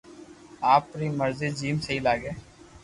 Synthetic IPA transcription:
aːpːɾiːməɾziːd͡ʒiːmsəɦiːlaːɡeː

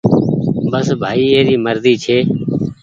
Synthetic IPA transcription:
bəsbʱaːiːeːɾiːməɾziːt͡ʃʰeː

